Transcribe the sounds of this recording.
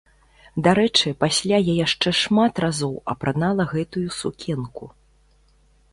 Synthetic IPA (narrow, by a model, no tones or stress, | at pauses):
d̪aɾɛt͡ʂɨpasʲlʲajajaʂt͡ʂɛʂmat̪razɔwɐ̰pɾanalˠɐɣɛt̪ujusukʲʰɛnku